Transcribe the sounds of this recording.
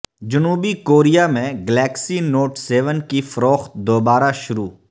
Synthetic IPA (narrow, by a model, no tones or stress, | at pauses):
d͡ʒʊnuːbikoːɾijamẽɡɛlɛːksinoːʈsɛːʋənkifɐɾoːxt̪̚d̪oːbaːɾaʃʊɾuː